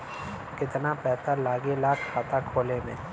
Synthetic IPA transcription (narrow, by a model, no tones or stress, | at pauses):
kɪt̪napɛːt̪alaːɡelaːkʰhaːt̪akʰoːlemḛ̃ː